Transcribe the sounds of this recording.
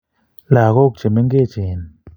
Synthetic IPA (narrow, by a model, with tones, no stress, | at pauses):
laː˧˨ɣo˦˨k̚t͡ʃe˨me˦ŋɡe˦˨t͡ʃe˨n